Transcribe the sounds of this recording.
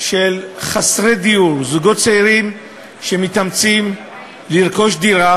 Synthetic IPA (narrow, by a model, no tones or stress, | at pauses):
ʃelχasʁed̪iuʁzuɡo̞tt͡seiʁim | ʃe̞mit̪amt͡sim | liʁko̞ʃdiʁa